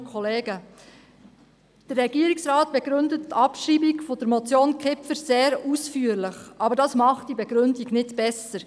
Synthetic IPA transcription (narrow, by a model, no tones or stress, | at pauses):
kʰχɔleːɡə | d̥ərːɛɡ̥iːɾiksɾɑːt̚b̥ɛɡɾʏndətːɑpʃɾiːbikfod̥əɾmɔt͡sjoːnkʰɪpfəɾseːɾusfyːəɾlɪχʔɑːbəɾdɑsmɑχt̚d̥ibɛɡɾʏndiɡnɪtb̥ɛsəɾ